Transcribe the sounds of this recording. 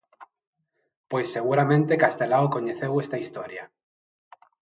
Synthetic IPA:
pwesːeɣ̞uɾamẽnt̪ekast̪elaokoɲeθewest̪aist̪oɾja

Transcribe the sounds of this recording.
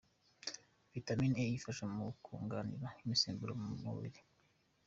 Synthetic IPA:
vitaminejifaʃamukʰṵːŋɡanḭɾaimisiːmbuɾomumṵβḭɾi

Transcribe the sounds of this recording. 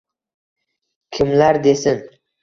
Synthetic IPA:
kʲʰɪmlaɾd̪e̞sɪn

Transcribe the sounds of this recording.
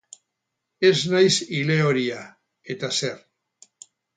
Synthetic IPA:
e̞znajsile̞o̞ɾia | e̞t̪ase̞ɾ

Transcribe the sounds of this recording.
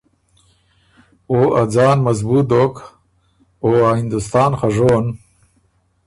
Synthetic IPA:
oːad͡zɑːnmɐzbuːt̪̚d̪ok | oahind̪ust̪ɑːnxaʐoːn

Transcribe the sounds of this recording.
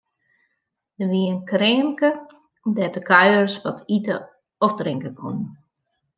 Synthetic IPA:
dəʋiənkreːnkə | dɛtəkʰœjərsʋɔtʰitə | ɔfdrɪŋkəkʰunən

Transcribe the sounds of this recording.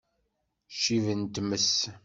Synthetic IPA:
ʃivənt̪məs

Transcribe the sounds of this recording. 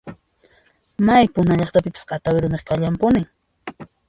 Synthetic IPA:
majpʊnaʎɑχt̪apɪpḁsqɑt̪awɪɾʊmeχkaʎampʊnɪŋ

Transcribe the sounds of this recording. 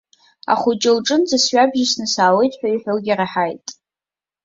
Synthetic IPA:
a̰χʊt͡ʃʼɪlʈ͡ʂʼɨnzasɥʷᶣabʒɪsnɨsaːwe̞jtʼħʷᶣaiħʷᶣolɡʲaraħajtʼ

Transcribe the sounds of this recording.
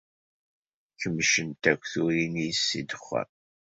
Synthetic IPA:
çəmːʃənt̪ækʷːθuɾinijsːid̪əχːə̰ɾ

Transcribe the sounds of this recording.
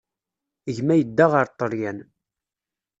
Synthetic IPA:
əʝmæjəd̪ːaʁəɾt̪ˤːəɾjæn

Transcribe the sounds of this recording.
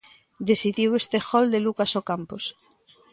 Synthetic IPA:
d̪esiðiwest̪exɔld̪elukasokampos

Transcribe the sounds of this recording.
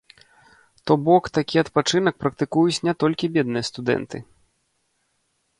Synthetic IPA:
t̪ɔbɔkt̪akʲiɐt̪pat͡ʂɨnɐk̚pɾɐkt̪ɨkujut͡sʲnʲɛt̪ɔlʲkʲibʲɛd̪nɨjɐst̪ud̪ɛ̰nt̪ɨ

